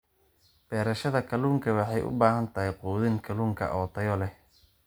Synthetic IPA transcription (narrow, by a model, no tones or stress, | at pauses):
b̥ɛːɾɐʃɐðɐkʰɐluːŋkʰɐwɑħɑjʔʊ̰baːhɐnt̪ʰɐɦɪquːðɪŋkʰɐluːŋkʰɐ̰ʔɔːt̪ʰɐjɔlɛh